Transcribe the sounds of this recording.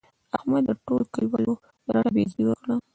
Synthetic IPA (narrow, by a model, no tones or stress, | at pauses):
ahmad̪əʈolkalwalo | ɾaɽabeziwəkɽa